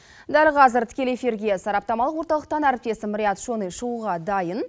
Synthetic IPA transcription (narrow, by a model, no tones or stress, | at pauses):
d̪ælqʰɑzɪɾt̪ʰɪ̥kʲe̞lefʲeɾɡʲesɑɾɑp̚t̪ɑmɑlˠəqwo̞ɾt̪ɑlˠəq̚t̪ɑnæɾɪp̚t̪e̞sɪmʊɾʲijɑt̪ʃonejʃuuʁɑd̪ɑjən